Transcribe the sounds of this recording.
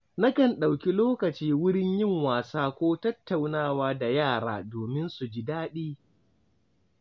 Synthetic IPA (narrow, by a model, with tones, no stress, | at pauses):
na˦kɐ˨nɗa˨wkʲi˦loː˦kɐ˨t͡ʃiː˦wʊ˦ɽɪ˦ɲjɪ˦ŋwaː˨saː˦kʷoː˦tɐ˦tːa˨wnaː˦˨waː˦da˨jaː˦˨ɽa̰ː˦doː˨mɪ˦nsu˨d͡ʒi˦daː˦ɗiː˦